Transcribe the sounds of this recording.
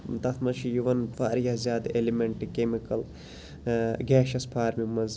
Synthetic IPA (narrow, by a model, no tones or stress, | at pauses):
t̪ɐt̪ʰmɐʃijuʋɐnfaːɾjazʲjaːd̪elimeɳʈkemikɐl | ɡɛːʃɐspʰaːɾmimɐz